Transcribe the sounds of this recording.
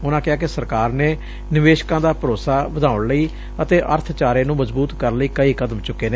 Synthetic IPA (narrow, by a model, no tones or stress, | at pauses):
ʊnãːkɪaːkɪsəɾkaːɾneː | nɪʋeːʃkãːd̪aːpəɾoːsaːʋəd̪ʱaːʊɳləiː | ət̪eːʔə̰ɾt̪ʰt͡ʃaːɾeːnũːməzbuːt̪kəɾləiːkəiːkəd̪əmt͡ʃʊkːeːneː